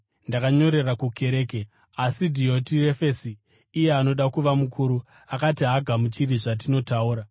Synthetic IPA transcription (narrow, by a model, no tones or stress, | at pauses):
ndakaɲo̞ɾe̞rakuke̞ɾe̞ːke | asidʱio̞tire̞fesiː | je̞ano̞ɗakuʋamukʰuːɾu | akatiɦaɡʱamut͡ʃiriʐat̬ino̞tauːɾa